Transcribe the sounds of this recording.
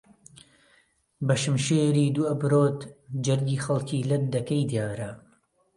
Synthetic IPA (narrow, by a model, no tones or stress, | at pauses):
bɐʃɨmʃeːɾiːd̪uːɐbɾoːt̪d͡ʒɐɾɡiːxɐlˠkʰiːlɐt̪̚d̪ɐkɐjd̪jaːɾɐ